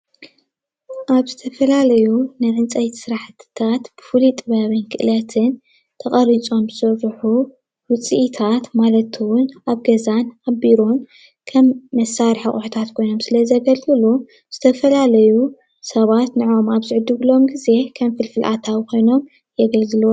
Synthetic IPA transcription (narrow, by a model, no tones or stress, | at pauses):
ʔaβzɨt̪ʰɐfɐlalɐjunɨʕɨnt͡sʼɐjt̪ʰi̥sɨɾaħt̪ʰt̪ʰat̪b̥ɨfulit̪ʼɨβaβɨnkʰɨʔɨlɐt̪ʰɨn | t̪ʰɐχʼɐɾit͡sʼo̞mzɨsɐzħu | wɨt͡sʼiʔit̪ʰat̪malɐt̪ʰwʊnaβɡɐzanabiɾo̞n | kʰɐmːɐsaɾħaχʼuħɨt̪ʰat̪kʰo̞jno̞msɨlɐzɐɡɐlɡʼɨlu | z̥ɨt̪ʰɐfɐlalɐju | sɐβat̪nɨʕo̞maβzɨʕɨd̪ɨβɨlo̞mɡize̞kʰɐmfɨlfɨlʔat̪ʰawkʰo̞jno̞m | jɛɡɐlɡɨlw